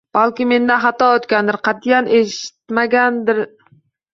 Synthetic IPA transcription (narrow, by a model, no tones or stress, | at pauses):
b̥alkʲɪme̞nd̪aɦat̪ɒot̪kʲand̪ɪɾqʰɑt̪ʰijanʔeʃɪ̥t̪maɡʲand̪ɪɾ